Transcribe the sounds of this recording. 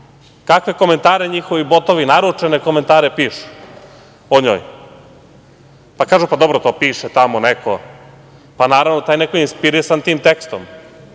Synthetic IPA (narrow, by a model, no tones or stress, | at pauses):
kakʋe̞ko̞ment̪aːɾeɲixo̞ʋibot̪oʋinaɾut͡ʂenekoment̪aːɾepiːʃu̥ | oɲo̰ːj | pakaːʒupad̪obɾot̪oːpiːʃet̪amonekʰo̰ | panaːɾaʋnot̪aːjnekoinspiɾisant̪iːmt̪ekst̪o̰m